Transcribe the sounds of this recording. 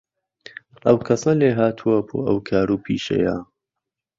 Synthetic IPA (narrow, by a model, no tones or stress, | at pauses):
ʔɐwkʰɐsɐleːɦaːt̪ʰuɐbo̰ːʔɐwkʰaːɾuːpʰḭːʃɐ̰ja̰